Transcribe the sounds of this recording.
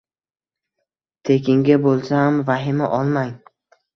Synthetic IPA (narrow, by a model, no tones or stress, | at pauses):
t̪ʰekʲɪŋɡʲabolˠsahamvaɦɪmaʔɒlˠmaŋ